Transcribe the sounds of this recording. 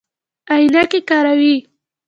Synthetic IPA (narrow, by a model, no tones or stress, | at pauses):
ajnakekɑɾawi